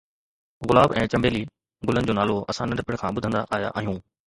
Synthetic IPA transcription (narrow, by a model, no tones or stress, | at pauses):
ɣʊlaːbɛ̃ːt͡ɕɐ̃mbeːli | ɡʊlənɪ̆d͡ʑoːnaːloɐsãnɐɾɪpɪɽkʰãːɓʊd̪ʱə̃nd̪a̰ʔaːɦja̰ʔːɦijũː